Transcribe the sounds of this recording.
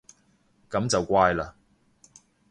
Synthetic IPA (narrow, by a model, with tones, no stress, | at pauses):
kɐ˨˥mt͡sɐ˨wkʷaː˧jlaː˧